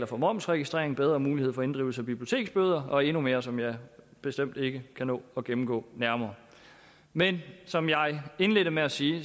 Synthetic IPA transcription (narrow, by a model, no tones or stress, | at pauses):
lɐfɒ̽mɒ̽m̰sʁɛɡ̥isd̥ʁḛɐeŋbeð̞ˠʁɐːmuːliheð̰ˠfɒ̽e̝nd̥ʁiːʊl̩səæb̥ib̥liot͡sʰe̝̰ːɡ̥sb̥øːð̞ˠɐɒ̽e̝nume̝ːɐsɒ̽mjɑ̈ɪb̥e̝sd̥em̰d̥e̝ɡ̥əkʰænɔ̰ːɒ̽ɡ̥emm̩ɡ̥ɔ̰̽ːnæɐmɐː | mensɒ̽mjɑ̈ɪe̝nle̝d̥əmeæsiː